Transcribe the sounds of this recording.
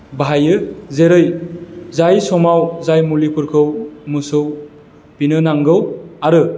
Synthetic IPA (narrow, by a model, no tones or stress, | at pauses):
bɦajɯzeɾɯjzajsɔmawzajmulipʰuɾkʰɯwmusɯw | pinɯnaŋɡɯwaɾɯ